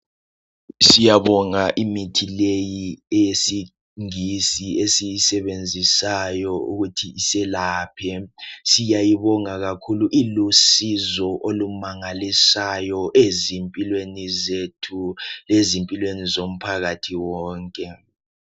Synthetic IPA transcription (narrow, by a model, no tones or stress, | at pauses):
sijaβɔŋaʔimitʰilejiɛjesi | ŋisiesijisɛβend͡zʱisajɔṵɣutʰiisɛlaːpʰɛsijajiβɔŋaɣakʰuluʔilusizɔʔolumaŋalisajɔʔezimpʼilwenizetʰulezimpʼilwenizom̩pʰaɣatʰiwɔːŋkʼɛ